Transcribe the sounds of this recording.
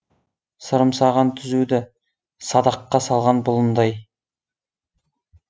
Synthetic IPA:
səɾəmsɑʁɑnt̪ʰʏzud̪ɪ | sɑd̪ɑqːɑsɑlˠʁɑnbʊlˠənd̪ɑj

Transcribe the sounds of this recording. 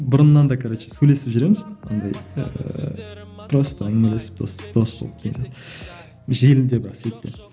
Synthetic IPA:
bʊɾənːɑnd̪ɑkʰaɾat̪ʃe̥søjle̞sɪpʒʏɾe̞mɪzo̰nd̪ɑj̰ | p̪ʰɾost̪ʰɑmɪlesɪ̥p̪̚osd̪̥osbo̰lˠəp̚d̪̥ense | ʒelɪd̪e̞bɪɾɑsejt̪ːḛ

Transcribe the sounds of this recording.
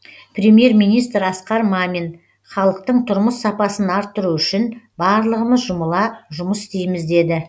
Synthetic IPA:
prʲɾʲemje̞ɾmijnijst̪ɾɑsqɑɾmɑmin | χɑlˠəq̚t̪əɴt̪ʰʊɾməsːɑpɑsənɑɾt̪ːʊɾuʏʃɪnbɑɾlˠəʁəməzʒʊməlˠɑʒʊməsɪst̪ejmɪzd̪e̞d̪ɪ

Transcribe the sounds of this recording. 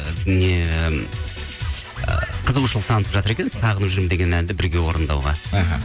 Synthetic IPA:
ne | qʰəzəuʃəlˠəq̚t̪ʰɑnət̪əpʒɑt̪əɾekʲe̞nɪz̥sɑʁənəpʒʏɾmd̪e̞ɡʲe̞nænd̪ɪbɪɾɡʲe̞wo̞ɾənd̪ɑ̰wʁɑ̰ɦ

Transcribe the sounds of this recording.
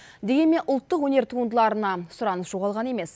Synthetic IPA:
d̪e̞ɡʲe̞nme̞nʔʊlˠt̪ːəqwɵne̞ɾt̪ʰuənd̪əlˠɑɾənɑsʊɾɑnəsʒ̥oʁɑlˠʁɑne̞me̞s

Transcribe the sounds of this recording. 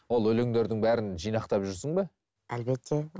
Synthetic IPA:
wo̞lˠɵleŋd̪e̞ɾd̪ɪŋbæɾɪnʒijnɑqt̪ɑpʒʏɾsəɴbe | æ̰lbe̞t̪ʰːe̞

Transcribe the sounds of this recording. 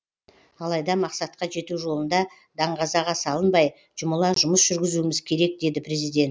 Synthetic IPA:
ɑlˠɑjd̪ɑmɑqsɑt̪qɑʒe̞t̪uʒo̞lˠənd̪ɑ | d̪ɑɴʁɑzɑʁɑsɑlˠənbɑj | ʒ̥ʊməlˠɑʒʊməsʒ̥ʏɾɡʲɪzuɪmɪzkʲʰe̞ɾe̞k̚d̪e̞d̪ɪpɾe̞zijd̪e̞nt̪

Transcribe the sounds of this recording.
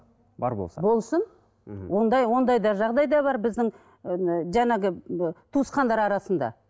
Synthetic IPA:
bɑ̰ɾbo̰sbo̞lˠsən̩ | wo̞nd̪ɑjwo̞nd̪ɑjd̪ɑʒɑʁd̪ɑjd̪ɑbɑɾbɪzd̪ɪŋ | ʒæŋɑɡʲɪt̪ʰusqɑnd̪ɑɾɑɾɑsənd̪ɑ̰

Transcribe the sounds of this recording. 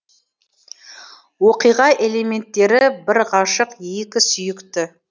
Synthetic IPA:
wo̞qijʁɑʔe̞le̞me̞nt̪ːe̞ɾɪbɪɾʁɑʃəqekʲɪsʏjɪkt̪ɪ

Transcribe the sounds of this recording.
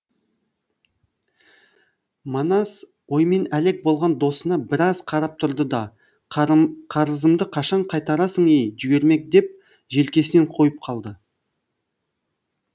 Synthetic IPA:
mɑnɑs | wo̞jme̞næle̞k̚bo̞lˠʁɑnd̪o̞sənɑbɪɾɑzqʰɑɾɑp̚t̪ʰʊɾd̪əd̪ɑ | qʰɑɾəzəmd̪əqʰɑʃɑɴqʰɑjt̪ɑɾɑsəɴejʒʏɡʲe̞ɾme̞k̚d̪e̞p̚ | ʒe̞lkʲe̞sɪneɴqʰo̞jəp̚qʰɑlˠd̪ə

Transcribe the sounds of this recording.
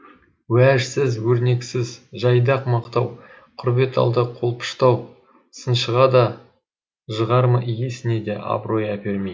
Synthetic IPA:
wæʒsɪzwɵɾne̞ksɪzʒɑjd̪ɑqmɑqt̪ɑw | qʰʊɾbe̞t̪ɑ̰lˠd̪əqʰo̞lˠpʰə̥ʃt̪ɑw | sənʃəʁɑd̪ɑ | ʒəʁɑɾməʔjesɪne̞d̪e̞ʔɑ̰bɾo̞jɑpʰe̞ɾme

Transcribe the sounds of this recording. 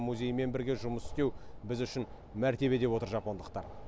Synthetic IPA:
muzʲe̞jme̞nbɪɾɡʲe̞ʒʊməsɪ̥st̪e̞wbɪzʏʃɪn | mæɾt̪e̞βe̞d̪e̞wo̞t̪əɾʒɑpo̞nd̪əq̚t̪ɑɾ

